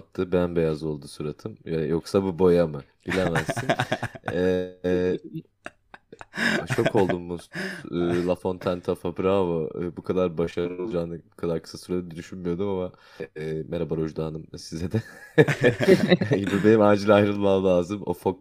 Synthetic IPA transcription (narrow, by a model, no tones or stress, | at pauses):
p̚t̪ʰːɯbænbe̞jazo̞lˠd̪uːsuɾat̪ʰɯmjajoksabubo̞jamɯ | ɟilʲemɛzinɛ | t͡ʃʰo̞kʰo̞lˠd̪umːuɯːlˠafo̞nt̪ʰant̪ʰafapɾavaɯbukʰad̪aɾbaʃaɾolˠd͡ʒaːnɯbukʰad̪aɾkʰɯ̥sasuɾad̪ad̪id̪yʃynmyjod̪umama | meɾabaɾoʒd̪aːnɯmsizɛd̪ɛ | bibe̞nimand͡ʒilʲajɾɯnˠmamlʲˠaːzɯmo̰fok̚